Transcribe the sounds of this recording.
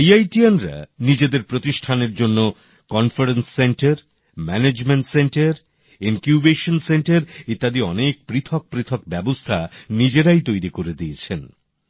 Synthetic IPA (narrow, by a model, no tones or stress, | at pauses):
jajʈianɾa̰nid͡ʑed̪eɾpɾot̪iʃʈʰaneɾd͡ʑonːo | kɔnfaɾensːeɳʈeɾ | mɛned͡ʑmeɳʈseɳʈeɾ | inkjubeʃonseɳʈeɾit̪ːad̪iɔnek̚pɾit̪ʰok̚pɾit̪ʰok̚bɛbost̪ʰanid͡ʑeɾajt̪ojɾikoɾed̪iet͡ɕʰen